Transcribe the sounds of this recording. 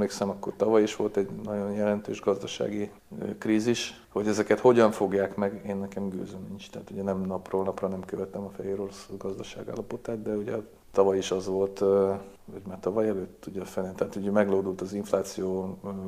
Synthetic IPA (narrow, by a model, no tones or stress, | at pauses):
mleːksɛmɒkːo̞̰rt̪ɒvɒjiʃʋo̞lt̪ɛɟnɒɟo̞njɛlɛnt̪ø̰ːʒɡɒzd̪ɒʃa̰ːɡi | kriːziʃ | ho̞ɟɛzɛkɛt̪ho̞ɟɒɱfo̞ɡjaːkmɛɡeːnːɛkɛmɡø̰ːzømiɲt͡ʃt̪ɛaːt̪uɟɛnɛmnɒproːnɒprɒnɛmkøvɛt̪ɛmɒfɛjeːɾo̞ɾosɡɒzd̪ɒʃa̰ːɡa̰ːlːɒpo̞t̪aːt̪d̪ɛuɟɛ̰ | t̪ɒvɒjiʃɒzʋo̞lt̪ | ɒɟmaːrt̪ɒvɒjɛløːt̪ːuɟɒfɛlnːint̪ɛaːt̪uɟɛmɛɡloːd̪ult̪ɒziɱflaːt̪sijoː